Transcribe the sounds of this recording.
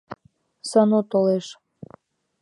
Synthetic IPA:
sɑnot̪oleʃ

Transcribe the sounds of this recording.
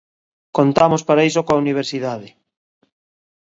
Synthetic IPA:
kont̪amospaɾaijsokoauniβ̞eɾsiðaðɪ

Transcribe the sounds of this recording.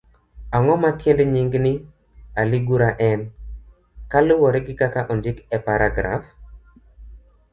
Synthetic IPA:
aŋɔmakɪndɲiŋɡnɪ | aliɡuɾaʔɛn | kalʊwɔɾɛɡɪkakaʔɔndikɛpaɾʔaɡɾa̰f

